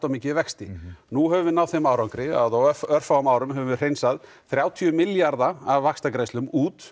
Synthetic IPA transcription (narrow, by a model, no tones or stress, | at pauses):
t̪amicɪvɛkst̪ɪnuɦɛvʏvɪnawðθejmaːwɾawŋkɾɪa̰ðawœɾ̥faamaːwɾʏmɦɛvʏɪr̥ejnsað | θɾjaːwt̪ʰiʏmɪljaɾðaavːakst̪akɾejslʏmuːt̪